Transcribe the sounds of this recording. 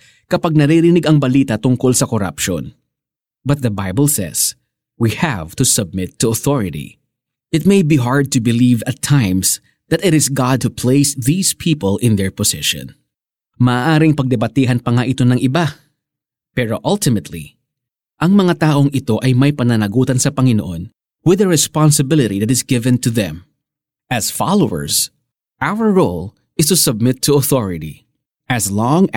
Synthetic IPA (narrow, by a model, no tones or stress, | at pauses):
kɐpaɡ̚nɐɾiɾɪnɪɡɐŋbɐliːt̪ɐt̪ʊŋko̞lsɐkoɾɐ̰pʃo̰n | bɐt̪̚ðɐbajbəlˠsɛ̰s | wihɐ̰v̥t̪ʊsɐb̚mɪt̪ʰːuɐθɔɹɪɾḭ | ʔɪt̪̚mejbiɦaɹd̪̚t̪ʊbɪlivɐt̪ʰːãjms | ðɐt̪ɪɾɪsɡɑd̪̚hupʰleɪsðiːspʰiːpəlɪ̃nd̪ɛɹposɪʃɔ̰̃n | mɐʔːʔaːɾɪŋpɐɡ̚d̪ɪbɐt̪iːɦɐnpɐŋaʔɪt̪o̞nɐŋʔɪba | pɛɾoʔɐlt̪ɪmɛt̪ʰlḭ | ʔɐŋmɐŋat̪aːʔo̞ŋɪt̪o̞ʔɐjmɐjpɐnɐnɐɡuːt̪ɐnsɐpɐŋɪnoʔo̞n | wɪðɐɹɛspansɪbɪlɪt̪iðɐt̪ɪsɡɪvɛ̃nt̪uðɛ̰̃m | ʔɐsfɑ̰lowɛ̰ɹs | ʔawəɹɹol | ɪst̪usɐb̚mɪt̪ʰːuɐθɔɹɪt̪ḭ | ʔɐslɔŋ